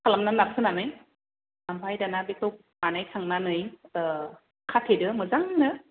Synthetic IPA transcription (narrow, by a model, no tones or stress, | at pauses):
kʰalamnanap̚sʰɯnanɯj | nampʰajdanabek̚tɔk̚manajkʰaŋnanɯj | kʰatʰedɯmɯzaŋnɯ